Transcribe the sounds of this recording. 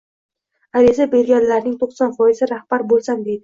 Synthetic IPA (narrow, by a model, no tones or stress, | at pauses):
aɾizabe̞ɾɡʲanlaɾnɪŋt̪ʰoqsɒnfɒjɪzɪɾahb̥aɾbolˠsamd̪e̞d̪ɪ